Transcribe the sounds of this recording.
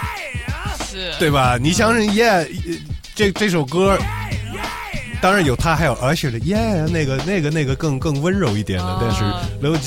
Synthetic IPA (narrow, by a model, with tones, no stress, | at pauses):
t̪we˥˩ɪbɐ˩ni˨˩ɕjɑ˥ŋɕi˥˩ŋjɛ˥˩ | ʈ͡ʂɤ˥˩ʈ͡ʂɤ˥˩ʂo˨˩ʊkɤ˥ | t̪ɑ˥ŋɻa˧˥njo˨˩ʊt̪ʰa˥xa˧˥jo˨˩ə˞˧˥t͡ɕʰɛ˨˩d̪ə˧jɛ˥˩ne˥˩ɪɡə˩ne˥˩ɪɡə˩ne˥˩ɪɡə˩kɤ˥˧ŋkɤ˥˩ŋwə˥nɻo˧˥ʊi˥˩t̪jɛ˨˩nd̪ə˦t̪a˥˧nʂɻ̩˥˩lo˧˥t͡ɕ